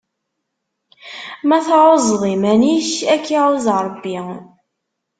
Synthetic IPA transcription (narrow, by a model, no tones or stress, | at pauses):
mæθʕozˤðˤimæniçækːiuzɾˤəbːi